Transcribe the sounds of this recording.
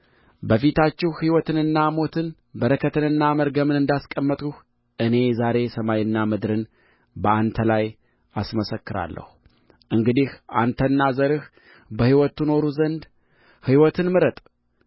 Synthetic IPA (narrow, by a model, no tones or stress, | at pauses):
bəfit̪ʰat͡ʃːɪhhiwɔt̪ʰɨnɨnːamo̞t̪ʰɨn | bəɾəkʰət̪ʰɨnɨnːaməɾɡəmɨnɨnd̪askʼəmːət̪ʼuh | ʔɨne̞zaɾe̞səmajɨnːamɨd̪ɾɨn | bəant̪ʰəlaj | ʔasməsəkːɨɾa̰lːə̰hu | ʔɨŋɡɨd̪ihʔa̰nt̪ʰənːazəɾɨh | bəhiwɔt̪uno̞ɾuzənd̪ | hiwɔt̪ʰɨnmɨɾət̪ʼ